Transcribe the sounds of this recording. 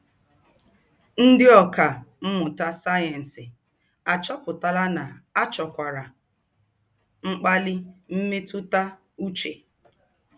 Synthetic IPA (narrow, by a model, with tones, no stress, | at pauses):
n̩˦dɪ˦ɔ˨ka˨m̩˦mʊ˨ta˦sa˦ɛ˨n̩˨sɪ˨ | a˨t͡ʃɔ˦pʊ˨ta˨la˦na˨a˦t͡ʃɔ˨kʷa˨ɾa˨ | ŋ͡m̩˦k͡pa˦lɪ˦m̩˦me˦tʊ˦ta˦ | u˦t͡ʃe˨